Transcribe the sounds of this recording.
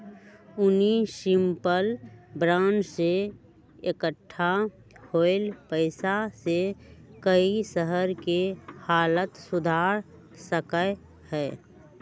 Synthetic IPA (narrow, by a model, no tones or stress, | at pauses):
ʊniʃɪ̃mpəlbɾãːnd͡ʒse | ekəʈʰːa | hoɪlpəɪsasekəisəɦəɾkehaːlət̪sʊd̪ʱaːɾ | səkə | hɛː